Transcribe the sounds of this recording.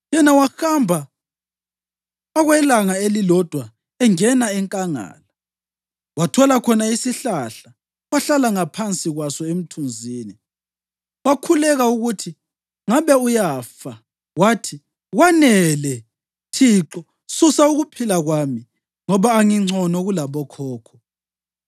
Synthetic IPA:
jɛnawaxambʱa | ɣwɛlaŋaelilɔd̥ʱwa | ɛŋɛnaɛŋkʼaŋa̰ːla | watʰɔlakʰɔnaisiɬaɬa | waɬalaŋapʰant͡sʼiɣwasɔem̩tʰund͡zʱiːni | wakʰulɛɣauɣutʰi | ŋaβɛujafa | waːtʰi | ɣwanɛlɛ | tʰiǁɔ | susauɣupʰilaɣwami | ŋɔβaːŋiŋ͡ǀʱɔnɔɣulaβɔkʰɔːkʰɔ̥

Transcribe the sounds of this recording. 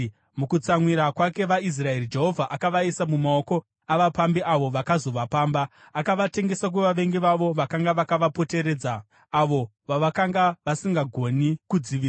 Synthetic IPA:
mukut͡samwiɾakwake̞ʋais̬rae̞rid͡ʒe̞ɦo̞vʱaʔakaʋaisamumao̞ko̞ | aʋapambiʔaʋo̞ʋakazo̞ʋapaːmba | akaʋate̞ŋɡe̞sak̬weʋaʋe̞ŋɡeʋaʋo̞ʋakaŋɡaʋakaʋapo̞te̞ɾe̞ːd͡za | aʋo̞ | ʋaʋakaŋɡaʋasiŋɡaɡʱo̞nikud͡ziʋiː

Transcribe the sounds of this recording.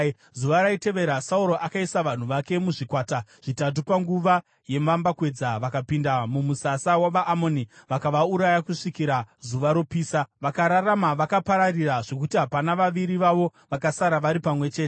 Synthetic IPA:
zuʋaɾaite̞ʋe̞ɾasauɾo̞ʔakaisaʋan̤uʋake̞muʐikwaːtaʐ̥itat̬upaŋɡuʋa | je̞mambakwe̞d͡zaʋakapindamumusasawaʋaʔːmo̞niʋakaʋauɾajakuʂikiɾazuʋaɾo̞piːsaʋakaɾaramaʋakapaɾariraʐo̞k̬utiɦapanaʋaʋiɾiʋaʋo̞ʋakasaɾaʋaɾipamwe̞t͡ʃe̞ːte

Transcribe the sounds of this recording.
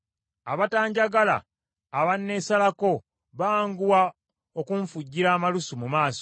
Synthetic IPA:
aβataːɲɟaɡala̰ː | βanːesalako̞ | βaŋɡuwa | okuɱfuɟːiɾaːmalusumumaːso̥

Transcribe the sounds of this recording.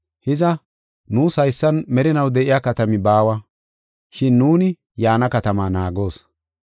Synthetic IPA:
hɪzɐ | nuːsɐjsːɐnmɛɾɪnɐwd̪ɛʔɪjaːkɐt̪ɐmɪbaːwɐ | ʃɪnːuːnɪ | jaːnɐkɐt̪ɐmaːnaːɡo̞ːs

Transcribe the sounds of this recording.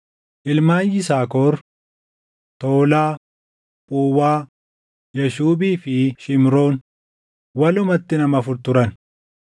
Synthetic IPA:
ʔɪlmaːnjɪsaːkoːɾ | t̪oːlaː | pʼuːwaː | jɐʃuːbiːfɪʃɪmɾo̞ːn | wɐlʊmɐt̪ːɪnɐmɐfʊɾt̪ʊɾɐn

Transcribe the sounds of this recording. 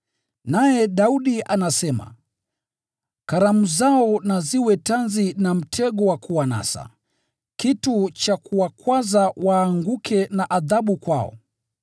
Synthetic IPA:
najɛɗauɗiʔanasɛma̰ | kaɾamuzaɔnaziwɛtanzinam̩tʰɛɡɔwakuwana̰sa̰ | kitut͡ʃakuwakwazawaːŋɡukʰɛnaʔaðaɓukwaɔ̰

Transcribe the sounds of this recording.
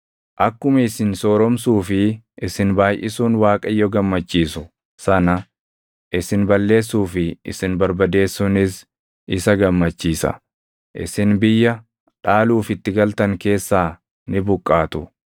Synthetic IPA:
ʔɐkːʊmɐɪsɪnsɔːɾɔmsuːfɪ | ʔɪsɪnbaːjʔɪsuːnwaːkʼɐjːɔɡɐmːɐt͡ʃːiːsʊ | sɐnɐ | ʔɪsɪnbɐlːe̞ːsːuːfɪɪ̰sɪnbɐɾbɐd̪e̞ːsːʊnɪs | ɪsɐɡɐmːɐt͡ʃːiːsɐ̰ | ʔɪ̰sɪnbɪjːɐ | ᶑaːluːfɪt̪ːɪɡɐlt̪ɐŋke̞ːsːaː | nɪbʊkʼːaːt̪ʊ

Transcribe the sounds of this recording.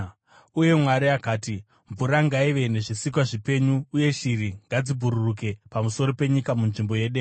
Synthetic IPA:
uje̞mwaɾiakaːti | ɱvuɾaŋɡaiʋe̞ne̞ʐisik̬waʐipe̞ɲuːje̞ʃiɾiŋɡad͡zibʱuɾuruk̬e̞pamuso̞ɾope̞ɲikamunʐimbo̞je̞ːɗeː

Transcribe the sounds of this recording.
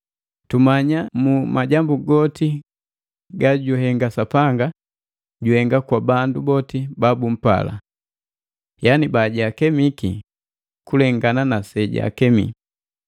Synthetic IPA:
tumaɲamumaɟambuɡɔti | ɡaɟuɦɛŋɡasapaŋɡa | ɟuhɛŋɡakwabandubɔtibabum̩pa̰la̰ | janibaɟakɛmikḭ | kulɛŋɡananasɛɟa̰kɛmḭ

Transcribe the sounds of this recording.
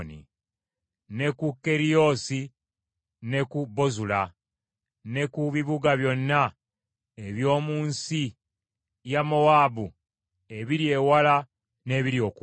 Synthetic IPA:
nḭ | ne̞kukːe̞ɾijo̞ːsi | ne̞kubo̞zula | ne̞kuβiβuɡaβjo̞nːa | e̞βjo̞ːmuːnsi | jamo̞waːbu | e̞βiɾje̞ːwala | ne̞ːβiɾjo̞ːku

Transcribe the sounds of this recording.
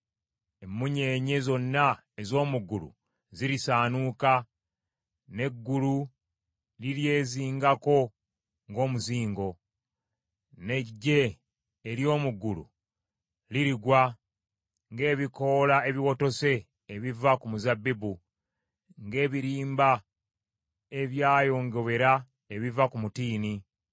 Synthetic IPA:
emːuɲe̞ːɲe̞zo̞nːa | ezo̞ːmuɡulṵ | ziɾisaːnuka | ne̞ɡːulu | lilje̞ːziːŋɡako̞ | ŋɡo̞ːmuziːŋɡo̞ | ne̞ɟːe̞ː | ɾjo̞ːmuɡulṵ | liɾiɡwa | ŋɡe̞ːβiko̞lae̞βiwo̞to̞se̞ː | βivakumuzabːibu | ŋɡe̞ːβiɾiːmba | e̞βjaːjo̞ŋɡe̞we̞ɾa | e̞βivakumutiːni

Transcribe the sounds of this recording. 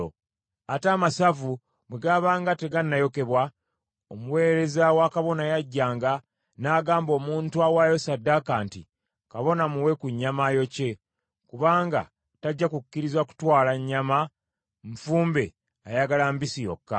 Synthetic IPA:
ataːmasavu | bweɡaːβaːŋɡate̞ɡanːajo̞ke̞βwa | omuwe̞ːɾe̞zawakaβo̞najaɟːaːŋɡa | naːɡaːmbo̞ːmuːntuawajo̞sadːakaːntḭ | kaβo̞namuwe̞kuɲːamajo̞ce̞ | kuβaːŋɡa̰ | taɟːakukːiɾizwaku̥twaːlaɲːama | ɱfuːmbe̞ | ajaɡalambisijo̞̰kːa

